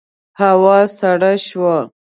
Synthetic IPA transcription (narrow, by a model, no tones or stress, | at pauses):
hawɑsaɽaʃwa